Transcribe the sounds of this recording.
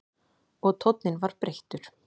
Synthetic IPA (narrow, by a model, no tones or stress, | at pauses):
ɔɣt̪ʰɔwt̪nɪnvaɾ̥pɾeht̪ʏɾ̥